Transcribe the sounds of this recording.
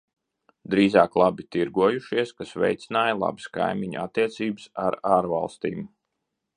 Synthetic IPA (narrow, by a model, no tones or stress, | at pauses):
d̪ɾiːzaːklˠabit̪iɾɡuɔjuʃiɛskasvɛ̰jt̪sʲinaːjlˠa̰bɨ̥ska̰jmiɲ̰a̰t̪ːiɛt̪siːbɨsaɾaːɾva̰lˠst̪iːm